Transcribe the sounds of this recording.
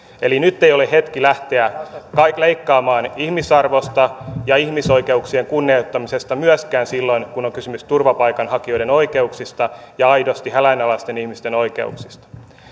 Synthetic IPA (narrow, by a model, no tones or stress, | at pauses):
elinyt̪ːejoleɦet̪kilæht̪eækɑikleikːɑːmɑːnihmisɑrʋost̪ɑjɑihmiso̞ikeuksieŋkunːieut̪ːɑmisest̪ɑmyæskæːnsilːo̞inkunoŋkysymyst̪urʋɑpɑikɑnhɑkiojdeno̞ikeuksist̪ɑjɑɑidost̪ihælæinɑlɑst̪enihmist̪eno̞ikḛṵksist̪ɑ̥